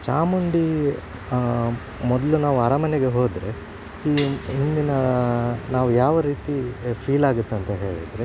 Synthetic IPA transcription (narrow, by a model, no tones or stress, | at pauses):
t͡ʃaːmuɳɖi | mɔd̪ɐlunaːʋuɐɾɐmɐneɡe̞ɦoːd̪ɾe̞ | iːɦind̪inɐnaːʋujaːʋɐɾiːt̪ipʰiːlaːɡut̪ːɐnt̪ɐɦe̞ːɭid̪ɾe